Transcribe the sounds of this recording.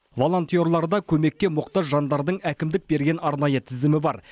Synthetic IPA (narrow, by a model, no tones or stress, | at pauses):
vo̞lˠo̞nt̪ijo̞ɾlˠɑɾd̪ɑkʲʰɵme̞k̚t̪ʲe̞mʊqt̪ɑzʒɑnd̪ɑɾd̪əɴækʲɪmd̪ɪk̚be̞ɾɡʲe̞nɑɾnɑjət̪ʰɪzɪmɪbɑɾ